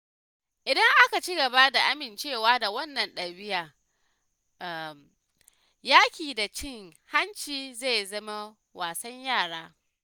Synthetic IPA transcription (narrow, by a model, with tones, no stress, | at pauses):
ʔɪ˨dɐ˦ŋʔa˦ka˨t͡ʃɪ˦ɡɐ˨ba˦da˨ʔa˦mɪ˨nt͡ʃeː˦˨waː˦da˨wɐ˦nːɐ˨nɗɐ˨bɪ˦jaː˨ | m | jaː˦kʲiː˨da˨t͡ʃɪ˦˨ŋha˦nt͡ʃiː˨zae˦˨jzɐ˦ma˦ | waː˨sɐ˦ɲjaː˦˨ɽaː˦